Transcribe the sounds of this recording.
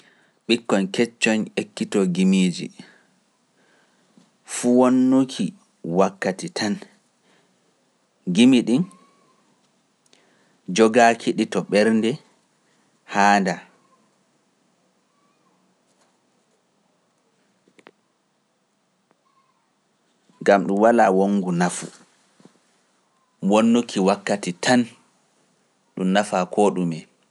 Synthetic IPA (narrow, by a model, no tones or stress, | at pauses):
ɓikːɔnkɛt͡ʃːɔnekːitɔɡimiːd͡ʒḭ | fuwonːukʰi | wakːatitʰan | ɡimiɗin | d͡ʒɔɡakʰiɗitɔɓɛɾndɛ | haːnda | ŋɡamɗumwalaːwoŋːɡunafṵ | wɔnːukʰiwakːatitʰan | ɗumnafakʰɔɗumɛ